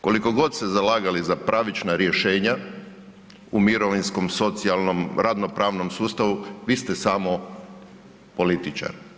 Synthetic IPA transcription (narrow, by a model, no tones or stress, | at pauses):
ko̞liko̞ɡo̞d̪sezalaːɡalizapɾʔaʋit͡ʃnaɾje̞ʃe̞ːɲa | umiɾo̞ʋinsko̞mso̞t̪sialnomɾʔad̪no̞pɾaːʋno̞msuːst̪aʋuʋiːst̪esaːmo̞ | po̞lit̪it͡ʃa̰ɾi